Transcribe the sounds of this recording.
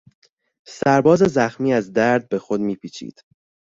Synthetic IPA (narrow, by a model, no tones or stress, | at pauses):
sæɾbɒːze̞zæxmiːæzd̪æɾd̪̚be̞xo̞d̪miːpʰiːt͡ʃʰḭːd̪̥